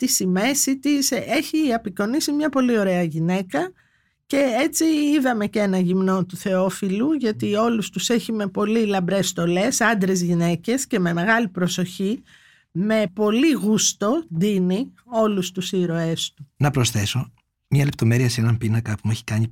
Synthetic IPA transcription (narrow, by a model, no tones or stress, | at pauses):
t̪isime̞sit̪ise̞çiɐpiko̞nisimɲɐpo̞lio̞ɾe̞ɐʝine̞kɐ | ce̞et͡siiðɐme̞ce̞nɐʝimno̞t̪uθe̞o̞filuʝɐt̪io̞lust̪use̞çime̞po̞lilɐmbɾe̞st̪o̞le̞sɐnd̪ɾe̞zʝine̞ce̞sce̞me̞me̞ɣɐlipɾo̞so̞çi | me̞po̞liɣust̪o̞d̪ini | o̞lust̪usiɾo̞e̞st̪unɐpɾo̞sθe̞so̞ | mɲɐle̞p̚t̪o̞me̞ɾiɐseenɐmpinɐkɐpumueçi̥kɐɲi